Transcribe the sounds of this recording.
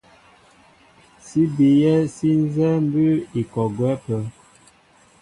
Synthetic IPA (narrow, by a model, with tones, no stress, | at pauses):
si˦bi˨jɛ˦si˦n˦zɛ˦m˦bə˦i˨kɔ˨ɡwɛ˦pə˨